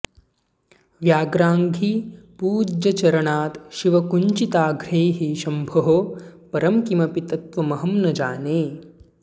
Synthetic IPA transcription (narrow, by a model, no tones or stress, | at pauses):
ʋjaːɡɾaːŋɡʱipuːd͡ʒɐt͡ʃɐɾɐɳaːt̪ʃiʋɐkuɲt͡ʃit̪aːɡɾeːɦiʃɐmbʱɐɦopɐɾɐmkimɐpit̪ɐt̪ʋɐmɐɦɐmnɐd͡ʒaːneː